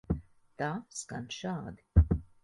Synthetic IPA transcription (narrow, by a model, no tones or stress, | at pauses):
t̪aska̰nʃaːd̪i